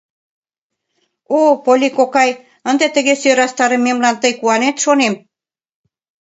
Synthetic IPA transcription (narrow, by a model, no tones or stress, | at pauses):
opolʲikokɑj | ənd̪et̪ə̆ɣesøɾɑst̪ɑɾə̆mːemlɑnt̪əjkuɑnet̪ʃonem